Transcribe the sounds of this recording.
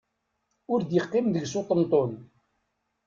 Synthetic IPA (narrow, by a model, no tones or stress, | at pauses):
ʊɾd̪jəqːɪmðəɡsot̪ˤənt̪ˤon